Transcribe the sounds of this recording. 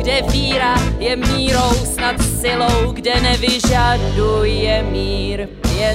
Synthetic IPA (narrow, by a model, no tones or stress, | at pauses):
ɡdɛviːɾajɛmiːɾowsnat̪sɪlowɡdɛnɛvɪʒadujɛmiːɾ | jɛ